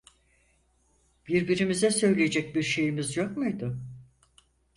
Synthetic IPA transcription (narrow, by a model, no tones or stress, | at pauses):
b̥iɾbiɾimizɛsø̞jlʲejed͡ʒɛc̚biɾʃe̞jimizjokmujd̪ʊ